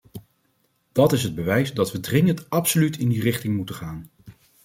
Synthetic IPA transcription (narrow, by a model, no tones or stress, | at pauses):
d̥ɑtɪsɦəd̚bəʋɛjsdɑtʋədrɪŋəntɑpsolytɪndirɪχtɪŋmutəχaːn